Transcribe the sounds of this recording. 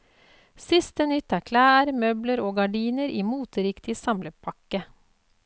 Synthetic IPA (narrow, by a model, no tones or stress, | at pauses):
sɪst̪ənʏt̪ːæːɾkʰlæːɾmœbləɾoːɡɑɖiːnəɾʔiːmuːt̪əɾɪkt̪ʰɪsɑmləpʰɑkːə